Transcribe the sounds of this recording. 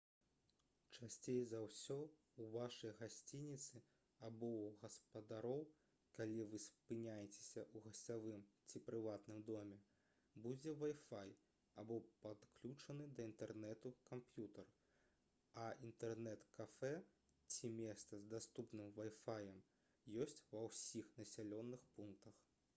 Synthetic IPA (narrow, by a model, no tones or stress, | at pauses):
t͡ʂasʲt͡sʲejzɐwsʲɔ | uvaʂɐjɣasʲt͡sʲinʲit̪sɨ | abɔɣɐspɐd̪aɾɔw | kalʲivɨspɨnʲajɛt͡sʲe̥sʲɐʔuɣɐsʲavɨmt͡sʲipɾɨvat̪nɨmd̪ɔmʲɛ | bud͡zʲɛvajfaj | abɔpat̪klʲut͡ʂɐnɨd̪ɐint̪ɛrnɛt̪ukampjut̪ɐr | ɐint̪ɛrnɛt̪kafɛ | t͡sʲimʲɛst̪sɐzd̪ast̪upnɨmvajfajɐm | jɔsʲt͡sʲvɐwsʲixnɐsʲalʲɔnːɨxpunk̚t̪ɐx